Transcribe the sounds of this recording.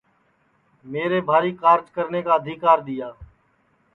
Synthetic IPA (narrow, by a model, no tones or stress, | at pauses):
meːɾeːbʱaːɾiːkaːɾd͡ʒkəɾneːkaːəd̪ʱiːkaːɾɗ̪ɪjaː